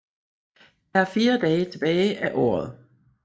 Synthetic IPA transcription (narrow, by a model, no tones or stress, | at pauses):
d̥ææɐfiːɐd̥ɛːt͡sʰe̝b̥ɛːɪʔæʔɒ̰ːɐð̞̩ˠ